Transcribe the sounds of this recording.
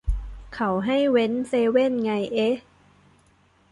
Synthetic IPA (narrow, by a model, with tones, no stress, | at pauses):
kʰa˧˦wɦa˥˩jwe˦˥nseː˧we˥˩˨nŋa˧jʔe˦˥